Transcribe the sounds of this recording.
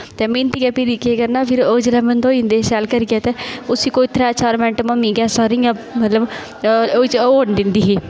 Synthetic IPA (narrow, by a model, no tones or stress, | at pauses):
t̪eːmĩnt̪iɡɛpɪɾikeːɡəɾnaːpʰɪɾoːd͡ʒlɛːmənd̪oːĩnd̪eːsɛːlkəɾɡɛːt̪eːʊsiːkoːit̪ʰɾɛːt͡ʃaːɾmɛ̃ːɳʈəməmĩːɡɛːsaːɾiɡamət̪ləb | oːit͡ʃːoːnd̪ɪnd̪iːɦiː